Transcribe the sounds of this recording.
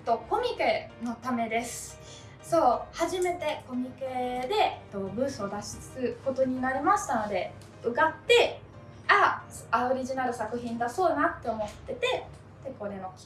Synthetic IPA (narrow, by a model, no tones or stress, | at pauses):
t̪ːo̞ko̞mʲike̞no̞t̪ame̞d̪e̞sɨ̥ | so̞ːhaʑime̞t̪e̞ko̞mʲike̞d̪e̞t̪ːo̞bɯ̟̃ːsɨod̪aɕi̥t͡sɨ̥kɨko̞t̪o̞ɲ̟inaɾʲimaɕi̥t̪ano̞d̪e̞ | ɯ̟ɡat̪ːe̞ | asaoɾʲiʑinaɾɯ̟sakɯ̟çĩnd̪aso̞ːnat̪ːe̞o̞mo̞t̪ːe̞t̪e̞ | t̪eko̞ɾe̞no̞kʲ